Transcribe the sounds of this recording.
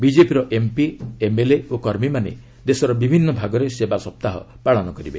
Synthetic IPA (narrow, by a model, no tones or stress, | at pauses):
bid͡ʒepiɾɔʔempiemeleokɔɾmimanḛ | d̪esɔɾɔbibʱinːɔbʱaɡɔɾesebasɔp̚t̪aɦɔ̰ | paɭɔnɔkɔɾibe